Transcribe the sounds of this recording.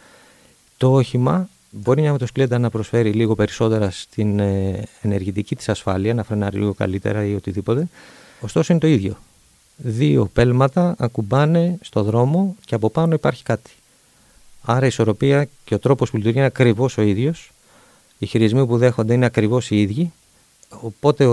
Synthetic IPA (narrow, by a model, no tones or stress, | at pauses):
t̪ooçimɐ | bo̞ɾimɲɐmet̪oskled̪ɐnɐpɾo̞sfe̞ɾiliɣo̞pe̞ɾiso̞t̪e̞ɾɐst̪inene̞ɾʝit̪icit̪i̥sɐsfɐliɐnɐfɾenɐɾḭliɣo̞kɐ̰lit̪e̞̰ɾɐio̞t̪iðipo̞t̪e̞ | ost̪o̞so̞inet̪o̞iðʝo̞ | ðio̞̰pe̞lmɐt̪ɐːkubɐne̞st̪o̞ðɾo̞mo̞ce̞ɐpopɐno̞ipɐɾçi̥kɐt̪i̥ | ɐɾɐiso̞ɾo̞piɐce̞o̞t̪ɾo̞po̞spulit̪uɾɣʝinɐkɾivo̞so̞iðʝo̞s | içiɾizmipuðe̞xo̞nd̪eine̞ɐkɾivo̞siiðʝi | opo̞t̪e̞